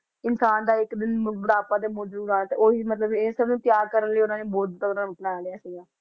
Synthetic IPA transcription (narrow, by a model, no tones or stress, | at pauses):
ɪnsaːnd̪aːɪkd̪ɪnbəɽaːpãːd̪eːmoːd͡ʒɾuːɾaːt̪eʔoːiːmət̪ləbesəbnũːt̪ɪjaːkəɾənləiːʊnãːnẽːboːd̪t̪əkɾãːmɪʈlaːɽeaːsiːɡaː